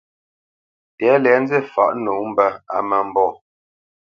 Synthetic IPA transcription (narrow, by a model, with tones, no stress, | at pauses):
tɛ˨˦lɛ˨˦n̩˦d͡ze˦˨fa̰˨ʔno˨˦m̩˦bə˦a̰˨mə˦m̩˦bɔ˦˨